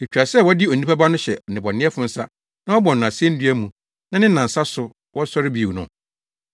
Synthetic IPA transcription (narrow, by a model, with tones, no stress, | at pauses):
e˨t͡ɕᶣa˨sɛ˦˨wɔ˦dɪ˦o˨n˨ĩ˦pa˦ba˦nʊ̃˦ɕɛ˨nɪ̃˨bɔ˨nɪ̃˦ɛ˦fʊ̃˦n̩˦sa˦ | nã˦wɔ˦bɔ̃˨nː˨ʊ̃˨a˨sɪ˦ɛ̃˦n̩˦dɥæ˦mũ˨ | nã˦nɪ̃˦n˦nã˨n̩˨sa˦sʊ˨ | wɔ˦sɔ˦ɾɪ˦bi˨nʊ̰̃˨